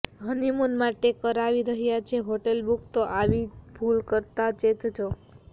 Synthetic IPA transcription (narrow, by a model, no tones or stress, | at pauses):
ɦənimunmaʈekəɾaʋiɾəɦjat͡ʃʰeɦoʈelbukt̪oʔaʋibʱulkəɾt̪at͡ʃet̪t͡ʃʰo